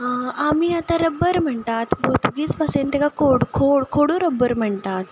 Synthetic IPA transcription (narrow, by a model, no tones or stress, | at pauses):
amiːat̪aɾəbːəɾm̤əɳt̪at̪bot̪uɡiːt͡spasent̪ekakʰoɽkʰoɽkʰoɽoɾəbːəɾm̤əɳt̪at̪